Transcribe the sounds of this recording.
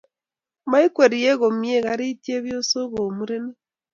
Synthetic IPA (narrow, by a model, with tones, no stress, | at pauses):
ma˦i˦kwe˨ɾi˨je˦ɣo˨mje˦˨ɣa˦ɾi˦tje˦βjo˦so˦βo˨mu˦ɾe˦ne˦